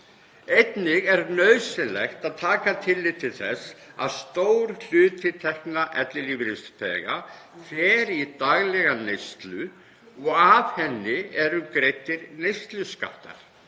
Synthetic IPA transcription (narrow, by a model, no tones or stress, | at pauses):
ejt̪nɪɣɛɾnœɥsɪlɛxt̪aðt̪ʰaːkat̪ʰɪlːɪjðt̪ʰɪlθɛsa̰ðst̪oːwɾl̥ʏːt̪ɪt̪ʰɛhknaʔɛt̪lɪliːvɾɪst̪pɛ̰ɣafɛːɾit̪aɣlɛɣanejst̪lʏ | ɔɣav̥hɛnːɪɛɾʏkɾejt̪ːɪɾnejst̪lʏska̰ht̪a̰ɾ̥